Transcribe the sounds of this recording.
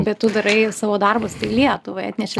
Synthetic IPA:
bʲɛtt̪ʊd̪ɐɾɐɪsɑːʋoːd̪ɐrbɐst̪ɐɪlʲiɛt̪ʊʋoɪɑt̪ʲnʲɛʃʲɪ

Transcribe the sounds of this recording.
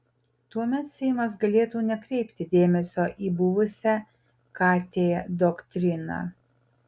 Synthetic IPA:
t̪uɔmʲɛt̪sʲɛɪmɐs̬ɡɐlʲeːt̪uːnʲɛkɾʲɛɪpʲt̪ʲɪd̪ʲeːmʲɛsʲoːʔiːbʊʋʊsʲɛ | kɑːt̪ʲeːd̪okt̪ʲɾʲɪnɑ̰ː

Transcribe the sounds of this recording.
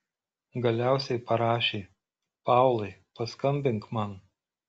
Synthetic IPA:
ɡɐlʲæˑʊsʲɛɪpɐɾɑːʃʲeː | pɑˑʊlˠɐɪpɐskɐmʲbʲɪŋkmɑn

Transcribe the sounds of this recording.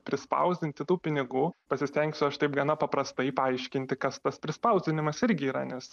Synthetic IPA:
pʲɾʲɪspɐ̰ʊzʲd̪ʲɪnʲt̪ʲɪt̪uːpʲɪnʲɪɡuːpɐsʲɪsʲt̪ʲɛŋksʲʊɐʃt̪ɐɪp̚ɡɐnɐpɐpɾɐst̪ɐɪpɐɐɪʃʲkʲɪnʲt̪ʲɪkɐst̪ɐspʲɾʲɪspɐʊzʲd̪ʲɪnʲɪmɐsɪɾʲɡʲɪiːɾɐ̰nʲɛs

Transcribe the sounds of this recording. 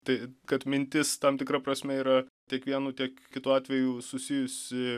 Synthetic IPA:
t̪ɐɪkɐt̪mʲɪnʲt̪ʲɪst̪ɐmt̪ʲɪkɾɐpɾɐsʲmʲɛiːɾɐtʲiɛkʋʲiɛnuːt̪ʲiɛkkʲɪt̪uːɑːt̪ʲʋʲɛjuːsʊsʲɪjʊsʲɪ

